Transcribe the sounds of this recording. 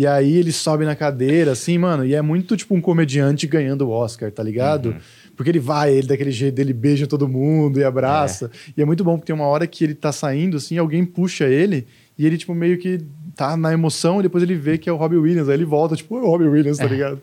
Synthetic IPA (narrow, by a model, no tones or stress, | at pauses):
ɪaielɪsɔbɪnɐkad̪eɾɐːsĩmɐ̃nʊɪɛmũj̃t̪ʊt͡ʃi̥pʊũkomed͡ʒiɐ̃nt͡ʃɪɡɐ̃ɲɐ̃nd̪ʊʊɔskaɾt̪aliɡad̪ʊ | pʊɾkeelɪvajelɪd̪akelɪʒejt̪ʊd̪elɪbeʒɐt̪od̪ʊmũd̪ʊɪabɾasɐɪɛmũj̃t̪ʊbõpʊkt̪ẽmɐɔɾɐkɪelɪt̪asaĩnd̪ʊasĩawɡẽj̃puʃɐelɪ | ɪelɪt͡ʃi̥pʊmejʊkɪt̪anɐemosɐ̃w̃id̪epojzelɪvekɪɛʊɦɔbiwilʲjɐ̃szaielɪvɔwt̪ɐt͡ʃi̥pʊahɔbiwilɐ̃saliɡad̪ʊ